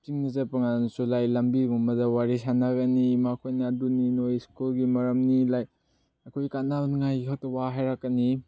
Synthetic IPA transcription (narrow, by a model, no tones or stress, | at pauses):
piŋnɐzapɐŋansulajlɐmbiɡumɐzawaɾisanaɡanimakʰojnaduninojskulɡimɐɾɐmnilaj | ɐkʰojkanabnŋajikʰak̚tɐwaɦajɾakːani